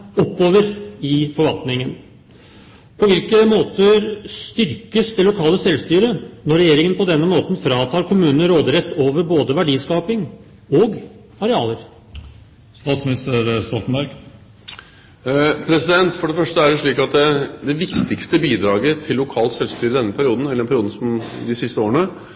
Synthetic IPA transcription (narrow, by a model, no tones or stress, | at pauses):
ɔpːoːʋəɾɪfɔɾʋɑlt̪nɪŋən | pʰɔʋɪlkəmoːt̪əɾst̪ʏɾkəsd̪ɛlːʊkʰɑːləsɛlst̪yːɾənɔɾːɛjeːɾɪŋənpʰɔd̪ɛnːəmoːt̪n̩fɾɑːt̪ʰɑːɾkʰʊmʉːnn̩ɾoːd̪ɾɛt̪ːoːʋəɾboːd̪əʋæɖiːskɑːpɪŋ | ɔɡ | ɑɾɛɑːləɾ | st̪ɑːt̪smɪnɪst̪əɾst̪ɔt̪ənbæɾɡ | pʰɾɛsɪd̪ɛnt̪fɔɖɛfœʂʈəæɛʂɭiːkɑt̪̚d̪ɛd̪ɛʋɪkt̪ɪkst̪əbiːd̪ɾɑːɡət̪ʰɪlːʊkʰɑːlsɛlst̪yːɾəɪd̪ɛnːəpʰæɾɪuːd̪n̩ɛlːɛnpʰæɾɪuːd̪̩sɔmd̪ɪsɪst̪əoːɾəɳə